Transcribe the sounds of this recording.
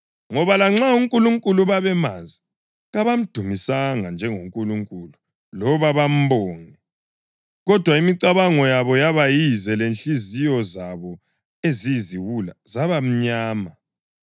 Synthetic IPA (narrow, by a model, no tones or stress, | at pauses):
ŋɔβalaŋ͡ǁauŋkʼuluŋkʼuluβaβɛma̰zi | ɣaβam̩d̥ʱumisaŋand͡ʒʱɛŋoŋkʼuluŋkʼulu | lɔβaβam̩bɔːŋɛ | ɣɔd̥ʱwaimiǀaβaŋɔjaβɔjaβajizɛlenɬizijɔzaβɔ | eziziwula̰zaβam̩ɲaːma